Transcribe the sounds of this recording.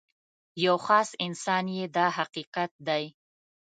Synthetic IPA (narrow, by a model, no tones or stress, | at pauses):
jawxɑsɪnsɑnjed̪ɑhaqiqat̪̚d̪aj